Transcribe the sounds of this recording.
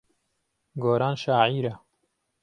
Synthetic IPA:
ɡoːɾaːnʃaːʕiːɾa

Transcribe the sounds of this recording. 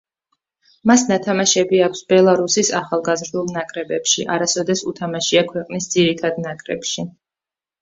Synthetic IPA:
masnat̪ʰamaʃɛbiakʰsbɛlˠaɾusisaχalˠɡazɾd̪ulˠnakʼɾɛbɛpʃḭʔaɾasɔd̪ɛsut̪ʰamaʃiakʰwɛqʼnisd̪ziɾit̪ʰad̪nakʼɾɛ̰pʃi

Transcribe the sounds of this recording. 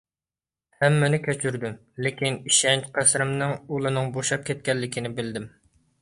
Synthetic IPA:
hɛmːɪnɪkʲʰɛt͡ʃʰyɾd̪ym | lekʲiniʃɛnqʰæsɾɪmnɨŋulˠɨnɨŋboʃɑp̚kʲʰɛt̪̚kʲɛlːɪkʲʰinɪbɪld̪ɪm

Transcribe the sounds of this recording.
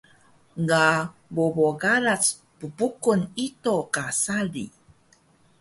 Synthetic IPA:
ŋɡaboboɡaɾat͡s | pəbukunitokasalḭ

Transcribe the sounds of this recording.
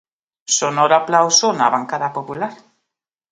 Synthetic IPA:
sonoɾaplawsona̰βaŋkaðapopulaɾ

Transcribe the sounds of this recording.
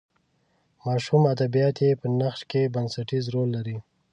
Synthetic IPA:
mɑʃumad̪abijɑt̪jepənaxʃkebansaʈizɾolːaɾi

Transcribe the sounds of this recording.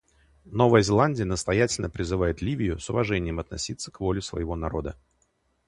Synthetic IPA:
no̞vəjəzʲɪlˠanʲdʲɪjənəst̪ɐjætʲɪlʲnəpɾʲɪzɨvajɪt̪lʲivʲɪjʊsʊvɐʐɛnʲɪjəmɐt̪nɐ̰sʲit̪sːəkvo̞lʲɪsvə̰jɪvo̞nɐɾo̞d̪ə

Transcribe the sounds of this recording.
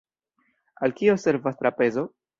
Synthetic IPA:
alkio̞se̞ɾvast̪ɾape̞zo̞

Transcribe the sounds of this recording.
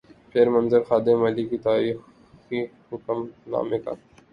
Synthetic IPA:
pʰeːɾmɐnzəɾxaːd̪emɐlikit̪aːɾiːx | kihʊkəmna̰ːmeka̰ː

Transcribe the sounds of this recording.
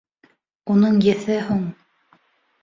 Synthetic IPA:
unɤɴjɘ̆θæhuɴ

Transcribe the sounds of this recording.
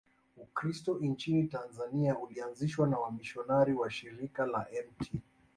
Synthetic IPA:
ukɾistɔʔint͡ʃinitanzaniaulianziʃwanawamiʃɔnaɾiwaʃiɾikalaʔɛmtʰi

